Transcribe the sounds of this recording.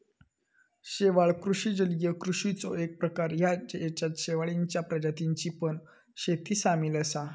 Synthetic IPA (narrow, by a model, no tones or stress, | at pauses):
ɕeʋaɭkɾuʂiːd͡ʑəljəkɾuʂit͡sɔek̚pɾəkaɾjad͡ʑet͡ɕat̪ɕeʋaɭiɲt͡ɕjapɾəd͡ʑat̪iɲt͡ɕipəɳ | ɕet̪iːsamiləsa